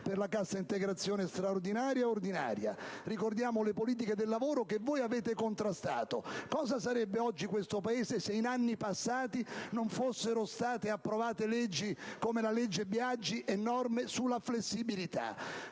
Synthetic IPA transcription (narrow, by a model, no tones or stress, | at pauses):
perlakasːaint̪eɡɾat̪sːjoːnest̪ɾaord̪inaːɾjaord̪ina̰ːɾja̰rikord̪jaːmolepoliːt̪̬iked̪elːavoːɾokevːoːjaveːt̪ekont̪ɾast̪a̰ːt̪okɔːzasaɾɛbːeɔd͡ʒːikwest̪opaeːzeseinanːipasːaːt̪inoɱfosːeɾost̪aːt̪eapːɾovaːt̪elɛd͡ʒːikomelalɛd͡ʒːebjad͡ʒːiʔɛnːɔrmesulːaflesːibilit̪a̰